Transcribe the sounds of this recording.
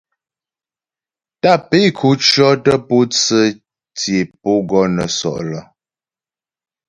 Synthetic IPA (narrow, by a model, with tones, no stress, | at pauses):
ta˦˨pe˦kʰu˨˦t͡ʃɰɔ˦tə˦pu˦t͡sə˦ | tje˨po˦ɡɔ˦nə̰˨sɔ̰˨ʔlə˨